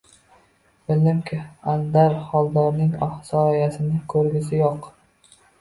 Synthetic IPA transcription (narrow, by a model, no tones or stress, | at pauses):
bɪlɪmkʲʰɪand̪aɾhɒlˠd̪ɒɾnɪŋɒhsɒjasɪnɪkʰɵɾɡʲɪsɪjoq